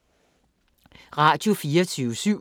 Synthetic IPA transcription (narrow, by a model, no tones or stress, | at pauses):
ʁɑ̈ːd̥jo̝fiːɐt͡sʰyːʊsyʊ̰